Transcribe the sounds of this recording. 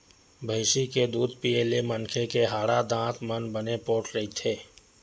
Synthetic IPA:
bʱəɪsiked̪uːd̪piːeːlemənkʰekeɦaːɽad̪ãːt̪ʰmənbənepoːʈɾɐɦit̪ʰeː

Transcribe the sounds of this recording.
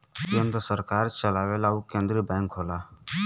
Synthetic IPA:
iə̃nd̪osəɾkaːɾt͡ʃəlaːʋeːlaːukẽːnd̪ɾiːbɛ̃ːŋkʰɦoːlaː

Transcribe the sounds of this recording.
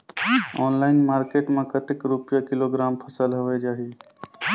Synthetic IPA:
ɔːnlaːɪnmaːɾkeːʈmẽkət̪ɪkɾupjakɪloɡɾaːmpʰəsəlɦoʋed͡ʒaːɦi

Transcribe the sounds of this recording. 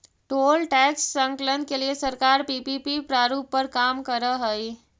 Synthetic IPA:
ʈolʈɛksːə̃ŋklənkeliesəɾkaɾpipipipɾaɾupːəɾkamkəɾəɦəi

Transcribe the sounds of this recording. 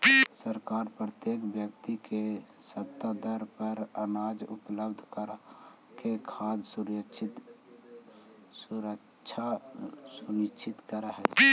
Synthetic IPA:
səɾkaːɾpɾət̪jekbjək̚t̪ikesət̪ːad̪əɾpəɾənaːd͡ʒupləbd̪ʱkəɾ | kekʰad̪ʱsuɾt͡ʃʰit̪ | suɾə | t͡ʃʰasunit͡ʃʰit̪kəɾəɦəl

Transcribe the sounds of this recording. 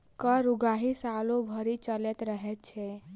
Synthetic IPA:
kəɾuɡaɦisalobʱəɾit͡ʃəlet̪ɾəɦɛt̪̚t͡ʃʰɛ

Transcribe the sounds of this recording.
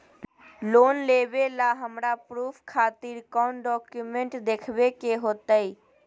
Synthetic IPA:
loːnleːbelaɦəmɾapɾuːpʰkʰaːt̪ɪɾkɔːnɖɔːkjumẽɳʈd̪eːkʰbekeɦoːt̪aiː

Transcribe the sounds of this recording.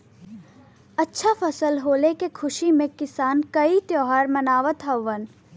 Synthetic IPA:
ɐtːʃʰafʰəsəlɦoːlekekʰʊʃimẽkɪsaːnkɐit̪joːɦaːɾmɐnaːʋət̪ɦɐʋːən

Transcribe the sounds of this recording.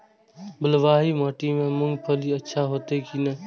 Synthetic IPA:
bəlʋaːɦiːmaːʈiːmẽːmʊŋɡpʰəliːət͡ʃʰaːɦoːt̪eːkʰiːnə

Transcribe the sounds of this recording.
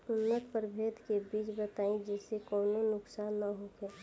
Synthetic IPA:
ʊnːət̪̚pəɾbʱeːd̪kebiːt͡ʃbət̪aːĩd͡ʒɛːsekɔːnonʊksaːnːəɦokeː

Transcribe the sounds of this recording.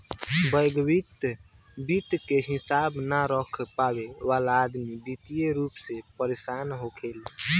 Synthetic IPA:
bəjɡwit̪ | bit̪keɦisabnaɾəkʰpabeʋalaːd̪mib̪it̪ijeɾupsepəɾesanɦokʰel

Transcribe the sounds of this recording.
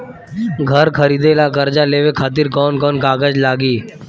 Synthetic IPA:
ɡʱəɾkʰəɾiːd̪elakəɾd͡ʒaleːʋekʰaːt̪̬ɪɾkɔːnkɔːnkaːɡəd͡ʒlaːɡiː

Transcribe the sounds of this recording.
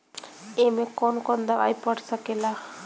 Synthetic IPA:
emekɔnkɔnd̪aʋa̰jpəɽsəkela

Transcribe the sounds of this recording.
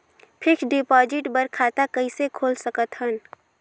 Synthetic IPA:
pʰɪkɖɪpɔːd͡ʒɪʈbəɾkʰaːt̪akɐisekʰoːlsəkət̪ɦən

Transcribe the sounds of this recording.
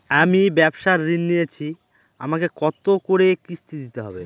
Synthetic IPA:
amibɛbʃaɾːinːijet͡ɕʰi | a̰makekɔt̪okoɾekist̪ʰid̪it̪eɦɔ̰be

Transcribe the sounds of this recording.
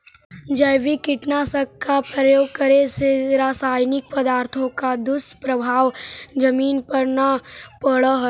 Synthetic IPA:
d͡ʒɐjʋikɪʈnasɐkkapɾəjoːɡ̚kɐɾeseɾaːsaːjnɪk̚pɐd̪aːɾt̪ʰõkad̪ʊspɾɐbʱaːʋd͡ʒɐmiːnpɐɾnapəɽəɦ

